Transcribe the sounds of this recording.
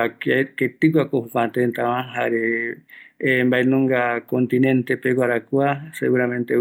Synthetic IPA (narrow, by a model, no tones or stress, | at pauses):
akket̪ɨk̬ʷakohukãnt̪ent̪aβãɦaɾe | mbaenõŋɡakont̪inẽnt̪epeɡʷaɾakuasḛɣuɾamẽnt̪e